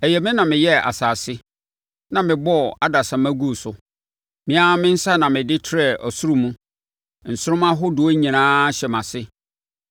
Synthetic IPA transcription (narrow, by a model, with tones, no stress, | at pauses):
ɛ˨jɛ˨mɪ̃˦nã˨mɪ̃˨jɛ˦a̰˨saː˨sɪ˦ | nã˨mɪ̃˨bɔ˦˨a˨da˨sã˨mæ̃˦ɡu˦˨sʊ˨ | mɪ̃˨a˦mɪ̃˦n̩˦sa˦nã˨mɪ̃˨dɪ˦tʰɾɛ˨ʔɔ˨su˦ɾʊ̃˨mũ˦ | n̩˨sʊ˦ɾʊ̃˦mã˦ɦʊ˦dʊ˨o˦ɲĩ˨nãː˦ɕɛ˨mã˨sɪ˦